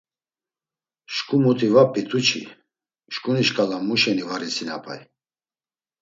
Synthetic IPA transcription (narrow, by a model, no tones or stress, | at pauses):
ʃkʼumut̪ʼivapʼːit̪ʼut͡ʃʰḭ | ʃkʼuniʃkʼalamuʃɛnivaɾisina̰pʰʼa̰j